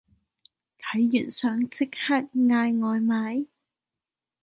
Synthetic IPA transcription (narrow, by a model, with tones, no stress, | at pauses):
k̪ʰɐ˨˥jːy̰ː˨˩nsœː˨˧ŋt͡sɪ˥k̚haː˥t̚ŋaː˧jŋɔː˨˧jmaː˨˥j